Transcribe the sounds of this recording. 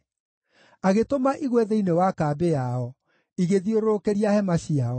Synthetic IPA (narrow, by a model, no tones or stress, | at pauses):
aɣetomaʔiɣwɛðeinewakaːbeaɔ | iɣeðioɾokeɾiahɛmaɕiaɔ